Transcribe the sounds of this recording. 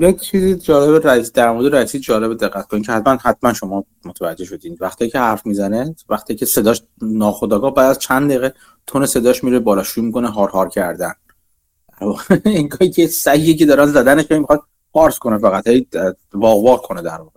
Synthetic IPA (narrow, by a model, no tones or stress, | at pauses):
jekt͡ʃʰiːzid͡ʒɒːle̞βeɾæsid̪æɾmoɾd̪eɾæsiːd̪d͡ʒɒːle̞bed̪eɢːæt̪kʰonicʰehæt̪ʰmænhæt̪mænʃo̞mɒː | mot̪ʰævæd͡ʒːeʃo̞d̪iːnvæxt̪ʰijcʰehæɾfmizænevæxt̪ʰijicʰese̞d̪ɒːʃ | nɒːxod̪ɒːɡɒːhbæːd̪æzt͡ʃʰænd̪d̪eiɣe | t̪ʰonese̞d̪ɒːʃmiɾebɒːlɒːʃujmiːko̞neɦɒːɾhɒːɾcʰæɾd̪æn | d̪̥æɾvɒːɣeiŋɡɒːhiːcʰesæjːiːce̞d̪ɒːɾænzæd̪æneʃhejmixɒd̪̥̚ | fɒːɾsko̞nefæɣæt̪hej | vɒːɣvɒːɾkʰo̞ned̪æɾvɒːɣe